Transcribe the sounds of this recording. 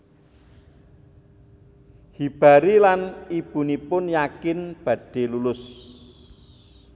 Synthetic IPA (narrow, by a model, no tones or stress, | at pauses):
hib̥a̤ɾilanib̥ṳnipʊnjakɪnb̥ä̤ɖ̥e̤lulʊs